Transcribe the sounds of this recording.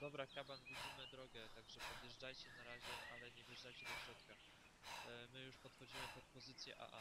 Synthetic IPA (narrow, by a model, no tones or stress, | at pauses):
d̪̥ɔbɾakabanɡʲud͡ʑimɘd̪ɾɔɡɛt̪aɡʐɛpɔd̪jɛʐd͡ʐajt͡ɕɛnaɾaʑɛʔalɛɲɛvʲjɛʐdajt͡ɕɛd̪ɔfɕɾɔt̪ka | mɘjuʂpɔt̪xɔd͡ʑimɘpɔt̪̚pɔzɘt̪sʲjɛʔa̰ʔa̰